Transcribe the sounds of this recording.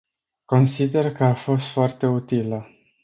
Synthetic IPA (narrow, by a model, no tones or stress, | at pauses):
ko̞nsid̪e̞rkəafo̞st̪foart̪e̞ut̪ilə